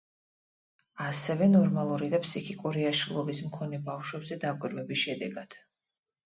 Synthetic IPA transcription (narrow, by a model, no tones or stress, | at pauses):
asɛvɛnɔɾmalˠuɾid̪apʰsikʰikʼuɾiaʃɾilˠɔbismkʰɔnɛbafʃwɛbzɛd̪akʼwiɾvɛbisʃɛd̪ɛɡad̪̥